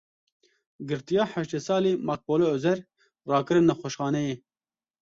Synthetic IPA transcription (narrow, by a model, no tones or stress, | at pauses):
ɡɨɾt̪ijɑːħæʃt̪esɑːleːmɑːk̚poːloozɛɾ | rɑːkɨɾɨnːɛxʷoʃxɑːnɛjeː